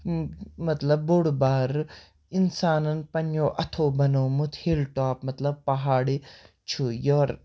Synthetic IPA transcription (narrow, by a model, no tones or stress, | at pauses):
mɐt̪lɐbːoɽbaːɾ | insaːnɐnpɐnjoːʔɐt̪ʰoːbɐnoːmut̪ʰhelʈaːpmɐt̪lɐb̚pɐɦaːɽi | t͡ʃʰujoːɾ